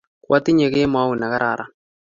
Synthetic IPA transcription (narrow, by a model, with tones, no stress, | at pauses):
kwʔa˦t̪i˦ɲe˨ke˦mwa˦u˨na˨ka˦ɾʔa̰˨ɾʔa̰˨